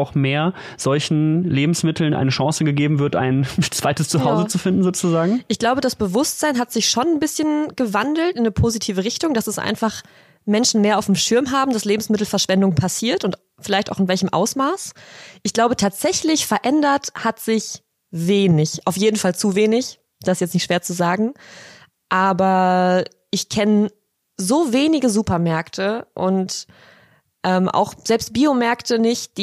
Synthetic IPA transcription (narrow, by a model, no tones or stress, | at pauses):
aʊxmeːɐ | z̥ɔlçn̩leːbm̩smɪtʰl̩nʔa̰ɪnəʃɑ̃ːsəɡəɡeːbm̩vɪɐtʔa̰ɪnt͡sv̥aɪtəst͡suɦaʊzət͡sufɪndn̩zoːt͡suzaːɡŋ̩ʔɪçɡ̥laʊbədasb̥əvʊstz̥aɪnɦatz̥ɪçʃoːnnbɪsçənɡ̥əvandl̩tɪnːəpʰozitʰiːvəʁɪçtʊŋd̥asɛsʔa̰ɪnfaχ | mɛnʃn̩meːɐaʊfm̩ʃɪɐmɦaːbm̩dasleːbm̩smɪt̬l̩fɛɐʃv̥ɛndʊŋpʰasiːɐtʊnt | fɪlaɪçtaʊxɪnvɛlçəmʔa̰ʊsmaːsʔɪçɡ̥laʊbətʰaːtz̥ɛçlɪçfɛɐʔɛndɐthatz̥ɪç | veːnɪçʔaʊfjeːdn̩falt͡suveːnɪç | d̥aɪsjɛt͡stnɪçtʃv̥eːɐt͡suzaːɡŋ̩ | ʔaːbɐ | ʔɪçkʰɛnə | zoːveːnɪɡəzuːpɐmɛɐktʰəʔʊnt | ʔɛːmʔa̰ʊxz̥ɛlpst̚b̥iːomɛɐktʰənɪçt̚d̥iː